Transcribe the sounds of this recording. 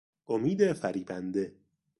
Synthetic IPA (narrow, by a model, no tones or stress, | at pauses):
ʔomiːd̪efæɾiːbænd̪e